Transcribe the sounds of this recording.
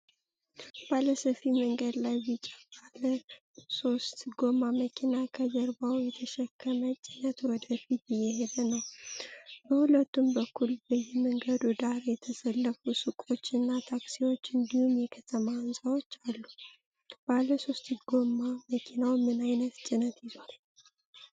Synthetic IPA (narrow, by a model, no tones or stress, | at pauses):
b̥aləsəfiməŋɡəd̪lajbɨt͡ʃʼḁbalə | so̞st̪ɡo̞maməkʰinakʰəzəɾbawjɛt̪ʰəʃɛkʰːəmət͡ʃʼinət̪wɔd̪əfit̪jɛhed̪ənəw | bəhulət̪ːumbəkʰːulbəjɛməŋɡəd̪ud̪aɾjɛt̪ʰəsəlːəfusɨkʼo̞t͡ʃːɨnːat̪ʰaksiwo̞t͡ʃːɨnd̪ihumjɛkʰət̪ʰəmaːnsʼawo̞t͡ʃːalːu | b̥aləso̞st̪ɡo̞mːaməkʰinawmɨnajnət̪t͡ʃʼɪnət̪jɪzal